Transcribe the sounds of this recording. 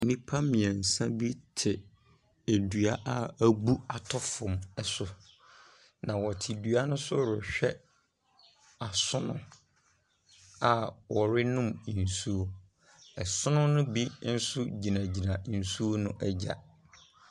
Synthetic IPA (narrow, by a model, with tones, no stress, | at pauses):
nĩ˦pʰa˦mĩ˨ã˨n̩˨sã˦bi˦tʰɪ˨ | æ˨du˨a˦ʔa˨æ˦bu˦a˨tʰɔ˦fʊ̃˨mɛ˦˨sʊ˨ | nã˨wɔ˨tʰɪ˨dɥa˦nʊ̃˦sʊ˦ɾʊ˨ɕᶣɛ˦ | a˨sʊ˦nʊ̰̃˦ | a˨wɔ˨ɾɪ˦nʊ̃˦m˨n̩˨su˦o˦ | ɛ˨sʊ̃˦nʊ̃˦nʊ̃˦bi˦n̩˦sʊ˦d͡ʑi˨nã˨d͡ʑi˨nã˨n̩˨su˦o˦nʊ̃˦ʔɛ˦d͡ʑa̰˨